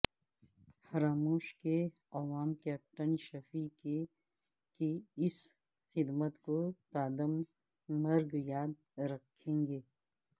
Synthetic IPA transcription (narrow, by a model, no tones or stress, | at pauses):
fɐɾaːmuːʃke | ɐʋaːmkɛːp̚ʈənʃɐfike | kiɪs | xɪd̪mət̪kot̪aːd̪əmː | ɐɾɡjaːd̪̚ | ɾɐkʰːẽːŋɡeː